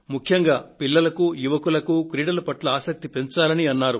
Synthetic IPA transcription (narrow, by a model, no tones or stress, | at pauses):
mukʰjɐŋɡaːpilːɐlɐkujuʋɐkulɐkukɾiːɽɐlɐpɐʈlɐaːsɐk̚t̪ipeɲt͡ʃaːlɐniɐnːaːɾu